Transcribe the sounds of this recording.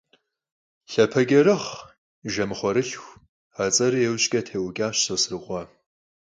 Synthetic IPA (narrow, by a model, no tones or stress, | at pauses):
ɬɐpʰɐɡʲɐɾɨχ | ʒɐmɨχʷɔɾɨɬxʷ | aːt͡sʼɐɾɨjɛwɕkʲʼɐtʰeːwʷʊkʲʼaːɕsɐsrɨqʷɐ